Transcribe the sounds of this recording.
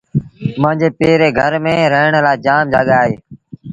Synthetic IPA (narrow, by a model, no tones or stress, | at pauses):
mə̃ɪ̃nd͡ʒeːpeːɾeːɡʱəɾmẽːɾəɦɳlaːd͡ʒaːmd͡ʒaːɠaːɦeː